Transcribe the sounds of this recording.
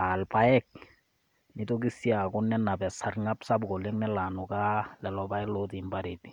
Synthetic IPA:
alpaɛk̚ | nɪtok̬isiakʊnːɛnːapɛsaɾŋapsabɡoleŋnɛlanʊkalɛlɔpaɛlotimbaɾiti̥

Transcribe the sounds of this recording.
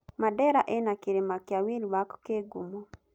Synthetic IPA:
madɛɾaʔenakiɾemakjawiɾiwakkeɡumo

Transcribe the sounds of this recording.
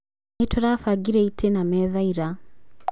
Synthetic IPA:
aitʰɔɾafaɡiɾɛitʰɛnamɛðaiɾa

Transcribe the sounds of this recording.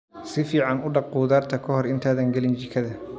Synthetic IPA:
sɪfiːʕɑnʊɖɑq̚quːðaːrt̪ʰɐkʰɔɦɔrɪnt̪ʰaːðɐŋɡɐlɪnt͡ʃɪkʰɐðɐ

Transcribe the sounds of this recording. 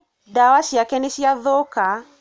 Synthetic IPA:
dawaʃjakɛneʃiaðoka

